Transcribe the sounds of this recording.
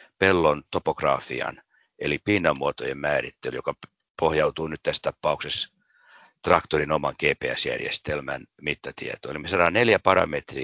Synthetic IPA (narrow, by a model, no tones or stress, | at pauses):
pelːont̪opokrɑːfḭɑ̰n | elipinːɑmːuot̪ojemmæːrit̪ːelyjokɑ | pohjɑwt̪uːnyt̪t̪æst̪ɑpːɑukses | t̪rɑkt̪orinomɑŋkeːpeæ̰sjæ̰rjḛst̪elmæ̰nmit̪ːɑt̪ḭḛt̪oolimesɑɾɑneljæpɑɾɑ̰met̪riː